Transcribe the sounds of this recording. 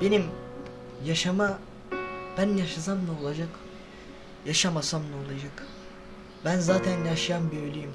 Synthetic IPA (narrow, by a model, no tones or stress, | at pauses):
b̥e̞nim | jaʃama | b̥ænjaʃas̬amnao̞lˠad͡ʒak | jaʃamasamlˠao̞lˠad͡ʒak | bænzaːt̪ʰænjaʃɯjambøjlʲyjim